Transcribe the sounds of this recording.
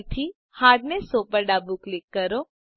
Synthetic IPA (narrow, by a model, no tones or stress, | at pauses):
t̪ʰi | haːɖnesopəɾɖabuklɪkːəɾo